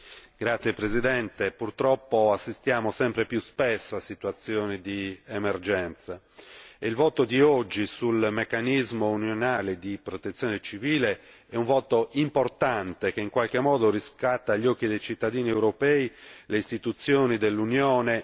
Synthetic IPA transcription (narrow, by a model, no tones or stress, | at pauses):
ɡ̥ɾat̪sːjepɾezid̪ɛnt̪epurt̪ɾɔpːoasːist̪jaːmosɛmpɾepjuspɛsːoasːit̪wat̪sːjɔːnid̪iemerd͡ʒɛnt̪sa | eilvɔːt̪od̪iɔd͡ʒːisulmekːanizmounjonaːled̪ipɾɔt̪et̪sjɔːnet͡ʃiviːle | ɛũɱvɔːt̪oimport̪ant̪ek̟eiŋkwalkemːɔːd̪oriskat̪ːaʎːɔkːid̪ejt͡ʃit̪ːad̪iːniewɾopɛːileist̪it̪ut̪sːjoːnid̪elːunjɔːne